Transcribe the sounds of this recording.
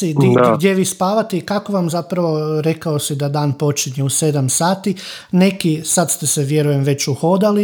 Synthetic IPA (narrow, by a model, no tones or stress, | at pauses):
id̪iaɡd̪jeʋiːspaːʋat̪iikako̞ʋamzapɾaʋo̞ɾe̞kaosid̪ad̪aːnpo̞t͡ʃiɲeuse̞d̪amsaːt̪ine̞kisad̪st̪eseʋje̞ɾuje̞mʋe̞t͡ɕuxo̞d̪ali